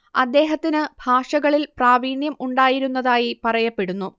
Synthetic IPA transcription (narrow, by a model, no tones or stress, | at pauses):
ɐd̪ːe̞ːɦɐt̪ːinɨbʱaːʂɐɣɐɭilpraːʋiːɳjɐmuɳɖaːjiɾunːɐðaːjipɐrɐjɐpːe̞ɽunːu